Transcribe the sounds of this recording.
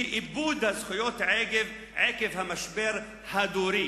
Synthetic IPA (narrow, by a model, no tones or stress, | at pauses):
ʔɪbuːd̪hazxʊjoːt̪ʕeːɡɪv | ʕeːkɪvhamaʃbeːɾ | had̪uːɾiː